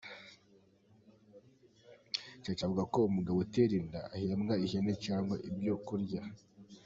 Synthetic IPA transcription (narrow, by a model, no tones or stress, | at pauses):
caːt͡ʃavuɡakoumuɡawoteɾindaahiɾamŋaihenet͡ʃaːŋɡwaʔibjo̞kuɾɟa